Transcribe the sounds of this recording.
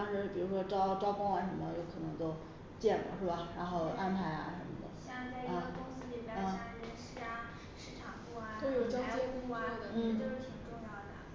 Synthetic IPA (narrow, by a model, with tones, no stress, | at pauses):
ŋʂɻ̩˥˩pi˨˩ɻu˧˥ʂwɔ˥ʈ͡ʂɑ˥ʊʈ͡ʂɑ˥ʊkɑ˥ŋə˧˩ʂə˧˥mə˦ə˧jo˥˩ʊkʰɤ˨˩nɤ˧˥ŋt͡ɕo˥ʊ | t͡ɕjɛ˥˩nlə̰˩ʂɻ̩˥˩ba˩ɻa˧˥nxo˥˧ʊʔa˥npʰa˧˥ɪa̰˧ʂə˧˥nmə̰˧˩d̪ə̰˨˩ɑ˥˩˧t͡sa˥˧ɪ˥˩ə˧˩t̪ʊ˥ŋs̩˥li˨˩pe˧˥jɑ˥˧˩ɕa˥˩˥ɕi˥a˧˩ | ʂɻ̩˥˩ʈ͡ʂʰɑ˨˩˦ŋku˥˩a˩t̪o˥˧ʊjo˨˩ʊt͡ɕɑ˥ɛ˥˧kʊ˥˩d̪ə˩n̩˥˩˥t̪o˥ʊʂɻ̩˥˩t̪ʰi˨˩ŋʈ͡ʂʊ˥˧ŋjɑ˥˩ʊd̪ə˩